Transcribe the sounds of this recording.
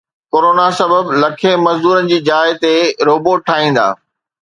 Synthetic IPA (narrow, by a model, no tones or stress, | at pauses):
koːɾoːnasɐbəblɐkʰẽmɐzd̪uːɾənɪ̆d͡ʑiːd͡ʑaːɪt̪eɾoːboʈʰːaːɦĩːn̆d̪a̰ː